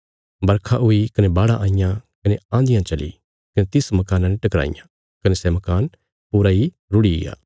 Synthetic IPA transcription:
bɐɾkʰaʔʊikɐnebaːɽaʔãːɪjãkɐneãːnd̪ɪjãt͡ʃɐlḭ | kɐnet̪ɪsmɐkaːnãneʈɐkɾa̰ːɪ̰jã | kɐnesɛmɐkaːn | puːɾai | ɾʊɽiɪ̰ja̰ː

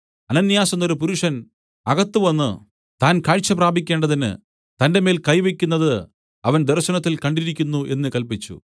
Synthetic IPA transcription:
ɐnɐnːjaːsɐnːoɾupuɾuʂɐn | ɐɣɐt̪ːɨʋɐnːɨ̰ | t̪aːnkaːɻt͡ɕːɐpraːbʱikʲːe̞ːɳɖɐðinɨ̰ | t̪ɐnde̞meːlkɐjʋe̞kʲːunːɐðɨ | ɐʋɐnd̪erɕɐnɐt̪ːilkɐɳɖiɾikʲːunːuʔe̞nːɨkɐlpit͡ɕːṵ

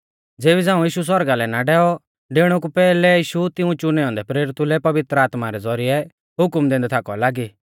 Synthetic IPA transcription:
d͡zeːbid͡zãːũjiːʃus̬wɔɾɡalɛnaɖɛːɔ | ɖeɽ̃uk̬upɛːlɛiːʃut̪ɪũt͡ʃʊnɛɔ̃ːnd̪ɛpɾeːɾɪt̪ulɛpɐʋɪt̪ɾəaːt̪maɾɛd͡zɔɾiɛ | ɦʊkmd̪ẽːnd̪ɛt̪ʰaːkɔlaːɡiː

